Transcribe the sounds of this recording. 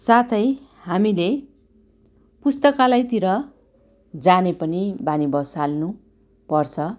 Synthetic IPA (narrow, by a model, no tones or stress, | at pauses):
sat̪ʰʌj | hamile | pust̪ʌkalajt̪iɾʌ | d͡zanepʌnibanibʌsalnu | pʌrt͡sʰʌ